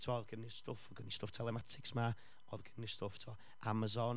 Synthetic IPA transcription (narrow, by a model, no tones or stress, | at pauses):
tʰwɔðɡ̥ənɪstʊfɔɡənistʊftʰɛlˠɛmatʰɪksma | ɔðɡ̥ənːɪstʊftʰɔ | ʔamazɔn